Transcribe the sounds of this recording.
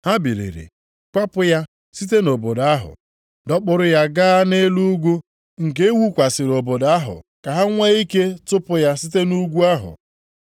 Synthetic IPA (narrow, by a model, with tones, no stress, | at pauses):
ha˦bi˨ɾḛ˨ɾḛ˨ | kʷa˦pʊ˦ja˦ | si˦t̬e˦no˨bo˨da˦ɦʊ̰˨ | dɔ˦k͡pʊ˦ɾʊ˦ja˦ɡa˦ne˦lu˦ɡʷu˦ | ŋ̩˨k̬e˦e˦wu˦kʷa˨sɪ˨ɾo˨bo˨da˦ɦʊ̰˨ka˨ɦa˦ŋʷe˦i˦ke˦tʊ˦pʊ˦ja˦si˦te˦nu˦ɡʷu˦a˦ɦʊ̰˨